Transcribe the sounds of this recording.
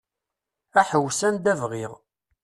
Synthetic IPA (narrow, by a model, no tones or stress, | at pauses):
æħəwsænd̪ævʁiʁ